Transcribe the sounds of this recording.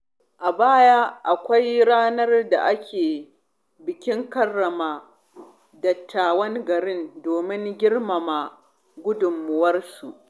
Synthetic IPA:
ʔa˨baː˦jaː˦ʔa˨kʷa˦jɽaː˦nɐ˦rda˨ʔa˦kʲʰeː˨ | bɪ˨kʲɪ˦ŋkɐ˦rːɐ˨maː˨ | dɐ˨tʰːaː˨wɐ˦ŋɡɐ˨ɽɪ˦ndoː˨mɪ˦ŋɡʲɪ˦rma˨ma˨ | ɡʷʊ˦dʊ˨mːʊ˨wɐ˦rsu˨ʔ

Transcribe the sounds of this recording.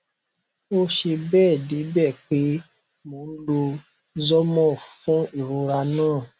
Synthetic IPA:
o˦ʃe˧bɛː˦˨de˨˦bɛ˦˨k͡pe˦ | mõ˨˦lo˧ | zɔ˦mɔ̃˦˨fũ˦i˦˨ɾu˧ɾa˧nãː˦˨

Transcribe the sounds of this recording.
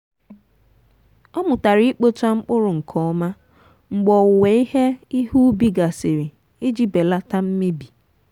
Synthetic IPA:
ɔ˦mʊ˨ta˨ɾi˦k͡po˦t͡ʃa˦ŋ͡m̩˦k͡pʊ˦ɾʊ˨ŋ̩˨kʰɔ˨˦ɔ˦ma˦ | ŋ͡m̩˨ɡ͡bɔ˨ʊ˨we˨˦i˦ɦe˦i˦ɦu˦bi˦ɡa˨se˨ɾi˨ | e˦d͡ʒi˦be˨la˦ta˦m̩˦me˦bi˨

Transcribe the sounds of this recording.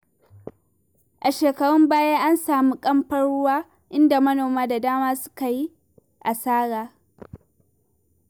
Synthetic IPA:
ʔa˨ʃeː˨kɐ˨ɽɔ˦mbaː˦jaː˦ʔa˦nsaː˨mi˦kʼɐ˦mɸɐ˦ɽɽʊ˦waː˦ | ʔɪ˦nda˨mɐ˦noː˨maː˦da˨daː˦maː˦sʊ̥˦ka˨ji˦ | ʔa˨saː˦ɽaː˨

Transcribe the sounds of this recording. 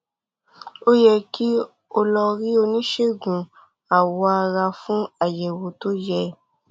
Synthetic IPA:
o˦jɛ˧ki˦ | o˧lɔ˧ɾi˦o˧nĩ˦ʃe˦˨ɡũ˨ | a˨wɔ˧a˧ɾa˧fũ˦a˨jɛ˨wo˨˦to˦jɛ˦

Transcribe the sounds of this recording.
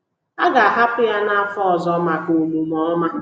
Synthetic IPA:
a˦ɡa˨a˨ɦa˦pʊ˦ja˦na˦a˦fɔ˦˨zɔ˦ma˨ko˨mu˨mɔ˦ma˦

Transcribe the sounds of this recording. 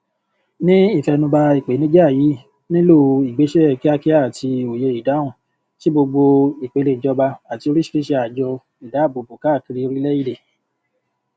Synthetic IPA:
nĩ˦i˦˨fɛ˧nũ˧ba˧i˨k͡pe˨˦nĩ˦d͡ʒji˨˦ | nĩ˦lo˦˨i˨ɡ͡be˨˦ʃɛ˦˨ki˦a˧ki˦a˦˨tʰi˧o˨je˧i˨da˨˦w̃ũ˦˨ | ti˦bo˧ɡ͡bo˧i˨k͡pe˨˦le˧˨d͡ʒɔ˧ba˧a˨ti˧o˧ɾi˦ʃi̥˧˦ɾi˦ʃe˧a˨d͡ʒɔ˧ | i˨da˨˦˨bo˨bo˨ka˨˦˨ki˧ɾi˧o˧ɾi˦lɛ˦i˦de˨

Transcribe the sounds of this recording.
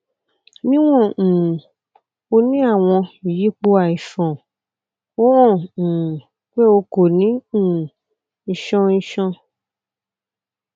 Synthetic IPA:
nĩ˦w̃ɔ̃˦˨ | o˧nĩ˦a˦˨w̃ɔ̃˧i˨ji˨˦k͡po˧a˨i˨fɔ̃˨ | o˦w̃ɔ̃˦˨ | k͡pe˦o˧ko˨nĩ˨˦˨ | ʃɔ̃˧ĩ˧ʃɔ̃˧

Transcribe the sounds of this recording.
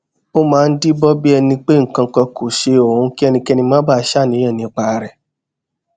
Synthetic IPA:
o˦mãː˨˦˧n̩˦di˦bɔ˦bi˦ɛ˧nĩ˧k͡pe˦ŋ̩˨kã˧kɔ˧ko˨ʃe˧o˨ũ˧ki˦ɛ˧nĩ˧kɛ˦˧nĩ˧mãː˦ba˦˧˦ʃa˦˨nĩ˨˧˦ã˦˨nĩ˧˦˨k͡pa˨˧ɾɛ˨

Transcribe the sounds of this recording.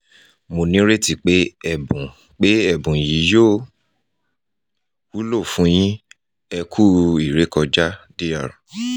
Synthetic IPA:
mo˨nĩ˦ɾe˦ti˦˨k͡pe˦ɛ˦˨bũ˨ | k͡pe˨˦ɛ˦˨bũ˨ji˨˦jo˦˨ | wu˦lo˦˨fũ˨˦j̃ĩ˦ | ɛ˧kʰu˦i˨ɾe˨˦kɔ˧d͡ʒa˦di˦ja˦˨ɾã˨

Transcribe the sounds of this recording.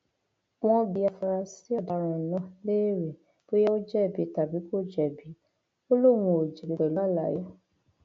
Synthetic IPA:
w̃ɔ̃˧bi˧a˧fa˧ɾa˧si˦ɔ˦˨da˨˧˨ɾ̃ɔ̃˧˨nɔ̃˨˦le˦˨ɾɛ˨ | b̥o˦jɛ˦o˦d͡ʒɛ˦˨bi˨˦ta˨bi˨˦ko˦˨d͡ʒɛ˦˨bi˨˦ | o˦lo˦˨wũ˧o˨d͡ʒe˨bi˨˧bɛ˨lɔ˦˨la̰˨ja˦

